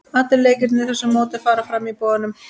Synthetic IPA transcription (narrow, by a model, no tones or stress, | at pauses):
aːt̪ɪɾleːjcɪɾnɪθɛsːʏmːoːt̪ɪafaːɾafɾaːmipɔːðanʏm